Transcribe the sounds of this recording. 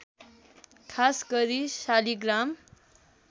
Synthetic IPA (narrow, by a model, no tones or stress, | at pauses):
kʰasɡʌɾisaliɡram